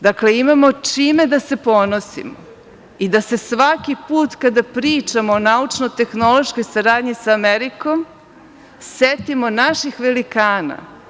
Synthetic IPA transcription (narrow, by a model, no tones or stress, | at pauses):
d̪akle̞imamo̞t͡ʃiːme̞d̪ase̞po̞nosḭmo̰ | id̪ase̞sʋakipuːt̪kad̪apɾiːt͡ʃamoːnaut͡ʃnojt̪e̞xno̞lo̞ʃkojsaɾaːd̪ɲisaameɾiko̞m | set̪imo̞naʃixʋelikaːna̰